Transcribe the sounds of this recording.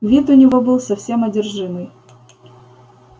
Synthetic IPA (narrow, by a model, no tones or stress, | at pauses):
vʲit̪ʊnʲɪvobɨlˠsɐfsʲe̞mɐdʲɪrʐɨmɨj